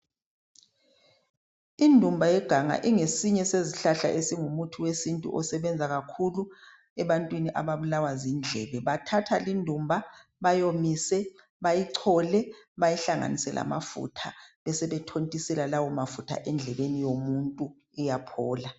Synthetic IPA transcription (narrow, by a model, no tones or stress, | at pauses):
indʱumbʱajɛɡ̥ʱaŋa̰ʔiŋesiɲɛseziɬaɬa̰ʔesiŋumutʰuwesintʼṵʔɔsɛβɛnd͡zʱaɣakʰulu | ɛβantʼwiniʔaβaβulawazind͡ɮʱɛːβɛβatʰatʰalindʱumbʱa | βajomisɛ | βajiǀʰɔlɛ | βajiɬaŋa̰nisɛlʔa̰ma̰fṵtʰaβɛsɛβɛtʰontʼisɛlalawɔmafutʰa̰ʔɛnd͡ɮʱɛβenijomuntʼu | ujapʰɔːla